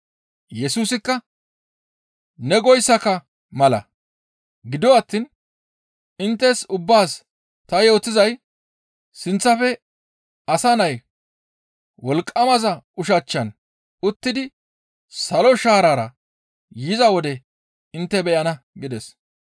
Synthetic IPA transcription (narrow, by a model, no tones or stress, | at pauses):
jɛsuːsɪkːɐ | nɛɡɔjsːɐkɐ | mɐlɐ̰ | ɡɪd̪ɔɐt̪ːin | ɪnt̪ːɛsʊbːaːs | t̪ɐjo̞ːt̪ːɪzɐj | sɪnt͡sːɐfɛ | ɐsɐnɐj | wɔlkʼːɐmɐzɐʊʃɐt͡ʃːɐn | ʊt̪ːɪd̪ɪ | sɐlɔʃaːɾaːɾɐ | jɪzɐwɔd̪ɛ | ɪnt̪ːɛbɛʔɐnɐ | ɡɪd̪ɛs